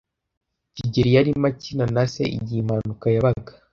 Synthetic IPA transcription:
ciɟiɾijaɾimacinanasḛḭɟimanukajaβaɡḁ

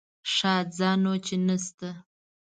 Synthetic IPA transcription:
ʂɑːt̪̚zɑnot͡ʃenast̪a

